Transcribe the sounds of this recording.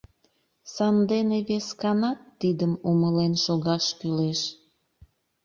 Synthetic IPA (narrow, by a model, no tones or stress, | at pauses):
sɑnd̪eneβeskɑnɑt̪ːid̪əmuməlenʃoɣɑʃkyleʃ